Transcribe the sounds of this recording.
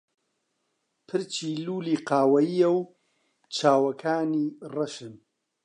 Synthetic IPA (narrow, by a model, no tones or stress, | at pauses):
pʰɨɾt͡ʃʰiːluːliːqaːwɐjijɐw | t͡ʃʰaːwɐkʰaːniːrɐʃɨn